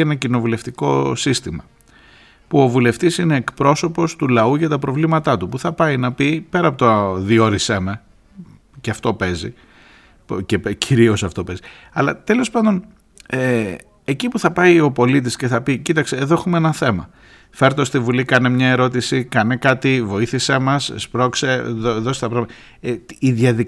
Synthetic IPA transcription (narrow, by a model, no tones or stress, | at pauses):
enɐcino̞vule̞ft̪iko̞sist̪imɐ | puo̞vule̞ft̪isine̞ːkpɾo̞so̞po̞st̪ulɐuʝɐt̪ɐpɾo̞vlimɐt̪ɐt̪upuθɐpɐinɐpipe̞ɾɐpot̪oðio̞ɾiseme̞ | ceɐft̪o̞pe̞zḭ | cepcʰiɾio̞sɐft̪o̞pe̞zi | ɐlɐt̪e̞lo̞spɐnd̪o̞n | e | ecipuθɐpɐio̞po̞lit̪̬isce̞θɐpicit̪ɐkseːðoexumeenɐθe̞mɐ̰ | fe̞ɾt̪eost̪ivulikɐnemɲɐe̞ɾo̞t̪̬isikɐnekɐt̪ivo̞iθisemɐsspɾo̞kse̞ðoðo̞st̪ɐpɾɐɣmː | ðjɐði